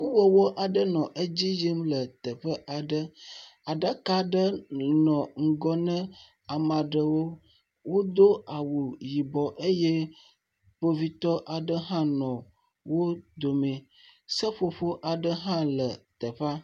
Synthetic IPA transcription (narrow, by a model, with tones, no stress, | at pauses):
ku˦wə˦˨wo˦ʔa˨ɖə˦nɔ̃˨ʔe˦d͡ʑi˦ji˦mlə˨t̪ə˨ɸə˦ʔa˨ɖə˦a˨ɖə˦ka˨ɖə˦nɔ̃˨ŋ̩˦ɡɔ˦nə̃˦ | a˨mã˨ɖə˨wo˦ | wo˦d̪o˦a˨wu˨ji˨bɔ˨ʔe˦jɛ˦ | ɸo˦vi˦t̪ɔ˦ʔa˨ɖə˦ɦã˦nɔ̃˨ | wo˦d̪o˨me˨ | sə˦ɸo˨ɸo˦ʔa˨ɖə˦ɦã˦lə˨t̪ə˨ɸa˦